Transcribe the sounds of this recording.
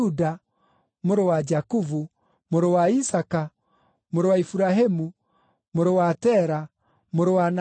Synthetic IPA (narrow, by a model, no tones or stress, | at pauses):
uda | moɾowad͡ʒakuvu | moɾowaisaka | moɾowaifuɾaɦemu | moɾowatɛɾa | moɾowan